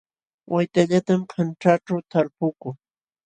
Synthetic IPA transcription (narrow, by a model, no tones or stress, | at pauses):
wʔajt̪aʎat̪amkʰanʈ͡ʂaʈ͡ʂawt̪aɾpʊkʊ